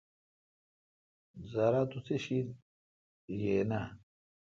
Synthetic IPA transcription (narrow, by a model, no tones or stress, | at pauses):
zɐɾat̪ut͡sʰeɕit̪ | jena